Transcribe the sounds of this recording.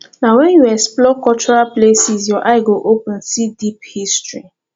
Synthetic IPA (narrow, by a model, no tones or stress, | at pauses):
nawɛ̃njuɛsplɔkɔlt͡ʃɔɹaplesisjɔʔaɪɡoʔopʊ̃nsidiphistɹi